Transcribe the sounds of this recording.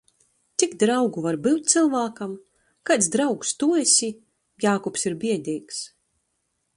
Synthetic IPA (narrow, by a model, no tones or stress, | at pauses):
t̪sikd̪ɾawɡuvaɾbɨwt̪̚t̪sɨlˠvaːkam | kat̪sd̪ɾawkst̪uɛsʲi | jaːkɔpsiɾbʲiɛd̪ʲiːks